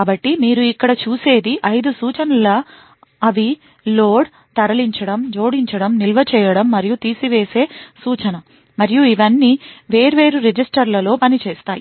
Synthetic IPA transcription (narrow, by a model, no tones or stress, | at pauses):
aːbɐʈːimiːɾuikːɐɽɐt͡ʃuːse̞ːd̪iʔɐjd̪usuːt͡ʃɐnɐlɐ | ɐʋi | lo̞ːɽ | t̪ɐɾɐliɲt͡ʃɐɽɐmd͡ʒo̞ːɽiɲt͡ʃɐɽɐmnilʋɐt͡ʃɛːjɐɽɐmːɐɾijut̪iːsiʋe̞ːse̞ːsuːt͡ʃɐnɐ | mɐɾijuiʋɐnːiːʋe̞ːɾʋeːɾuɾed͡ʒisʈɐɾlɐlo̞ːpɐnit͡ʃeːst̪aːji